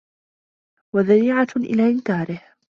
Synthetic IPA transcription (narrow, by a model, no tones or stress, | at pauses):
waðaɾiːʕaʔɪ̰laːʔɪnkaːɾɪh